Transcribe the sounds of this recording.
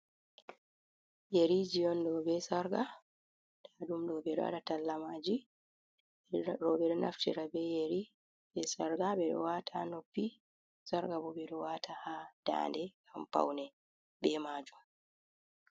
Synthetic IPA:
jeɾid͡ʒijɔndɔbɛsaɾɡa | d̥adumdɔbɛɗɔ̰a̰ɗatalːamaːd͡ʒi | ɾɔbɛɾnʔa̰ftḭɾabɛjeɾi | bɛsaɾɡabɛɗɔ̰watʰanopːi | saɾɡabɔbɛɗɔwaːtʰahad̥a̰ːndɛkampa̰wnɛ | bɛmaːd͡ʒum

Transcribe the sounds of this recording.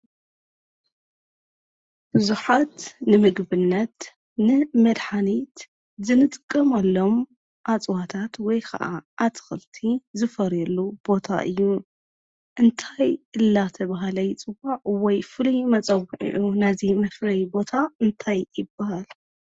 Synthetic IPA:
b̥ɨzuħat̪nɨmɨɡbɨnːɐt̪ | nɨmɐd̪ħanit̪ | zɨnɨt̪ʼɨkʼːɐmalːo̞m | ʔat͡sʼwat̪ʰat̪wɔjkʰɐ̰ʔa̰ʔːt̪ʰɨ̥xɨlt̪ʰizɨfɐɾjɛlːub̥o̞t̪ʰa̰ʔɨjːu | ʔɨnt̪ʰajʔɨlːat̪ʰɐβaɦalɐjt͡sʼɨbaʕwɔjfɨlujmɐt͡sʼɐwɨʕḭʕunazimɐflɐjbo̞t̪ʰaɨnt̪ʰajːɪbːahal

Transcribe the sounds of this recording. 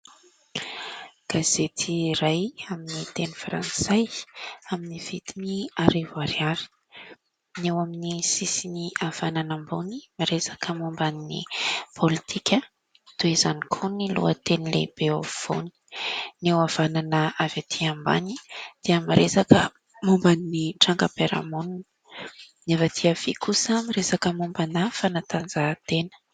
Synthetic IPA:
ɡ̥az̥et̪ʰiɾajaminit̪enifɾa̰nsajaminiv̥it̪iniaɾevaɾiaɾi̥ | newaminisisiniʔav̥ananambunimaɾesḁkʰəmumbaninḭpʰolit̪ʰikʰʲə | t̪uezanikʰonilo̰ət̪enilḛb̥eov̥o̰ni̥newav̥ananəavat̪ʰiamba̰nid̪̥iəmaɾesakə | mumbaniniʈ͡ʂaŋkəpeɾa̰monn | nevat̪ʰiav̥ikʰusəmaɾesakəmumbanafanat̪and͡zat̪enə̥

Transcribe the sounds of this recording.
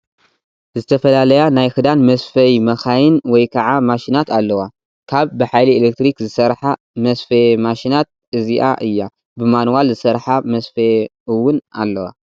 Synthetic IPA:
zɨt̪ʰɐfɐlalɐjanajxɨd̪anmɐsfɐjmɐxajɨnwɔjkʰɐʕamaʃinat̪alːɐwa | kʰaβːɨħajlielek̚t̪ɾikzɨsɐɾħa | mɐsfɐmaʃinat̪̚ | ɨziʔa̰ʔɨjːa | bɨmanwalzɨsɐɾħamɐsfɐɨwʊna̰lːɐwa̰

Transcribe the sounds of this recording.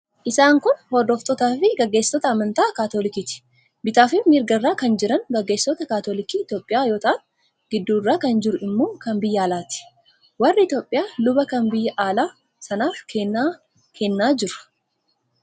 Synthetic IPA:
ʔɪsaːŋkʊnhɔd̪oːft̪ʼɔt̪aːfɪɡɐɡːe̞ːsːɔt̪ɐːmɐnt̪aːkaːt̪olɪkiːt̪ɪ̥ | bɪt̪aːfɪfmɪɾɡɐrːaːkɐnd͡ʒɪɾɐŋɡɐɡːeːsːɔt̪ɐkaːt̪oːlɪkiːɪt̪joːpʼːɪjaːjo̞ːt̪ɐʔɐf | ɡ̥ɪd̪ːuːrːaːkɐnd͡ʒɪɾʊɪmːoːkɐmbɪjːɐːlaːt̪ɪ̥ | wɐrːɪɪt̪joːpʼːɪjaːlʊbɐkɐmbɪjːɐʔaːlaː | sɐnaːfkʰenːa | kʰɛnːaːd͡ʒɪɾɐ̥

